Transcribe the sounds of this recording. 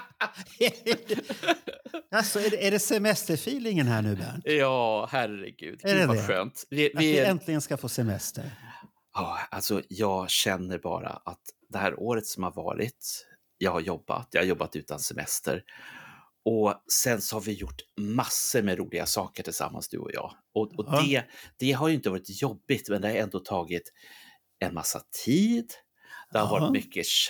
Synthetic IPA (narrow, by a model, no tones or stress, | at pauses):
asɔɛɖɛæɖɛsɛmɛst̪əɾfiːlɪŋənhæːɳʉ̟ːbæ̰ːɳjɑːhærə̰ɡʉ̟ːd̪ɛɛɛɧøːnt̪vɪvɪɪɛnt̪ʰlɪɡənskafoːsɛmɛst̪ə̰ɾ | ɑalsɔjɑːɡɕɛnːəɾbɑ̰ːɾa̰ʔat̪d̪ɛhæːɾʔoːɾət̪sɔmhaɾvɑ̰ːɾɪ̰t̪ | jɑːɡhaɾjɔbːa̰t̪jɑhajɔbːat̪ʉ̟ːt̪ansɛmɛ̰st̪ə̰ɾ | ɔsɛnsɔhaɾvɪjʊʈːmasːəɾmɛɾuːlɪɡasɑːkəʈʰɪlsa̰mːansd̪ɵ̰ɔ̰jɑ̰ː | ɔɔd̪ɛd̪̥ɛɦaɾjʏɪnt̪əvɑːɾɪt̪jɔbːɪt̪mɛnd̪ɛhaɾɛnd̪oːt̪ʰɑːɡɪt̪ | ɛnmasːa̰t̪ʰiːd̪ | d̪̥ɛhaɾvɑːɾt̪mʏkʰːə